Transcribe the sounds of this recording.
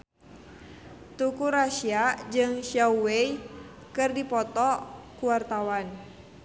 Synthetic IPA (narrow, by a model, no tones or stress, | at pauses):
t̪ukuɾaʃiad͡ʒɨŋʃauwei | kɨrdipɔt̪ɔkuwart̪awan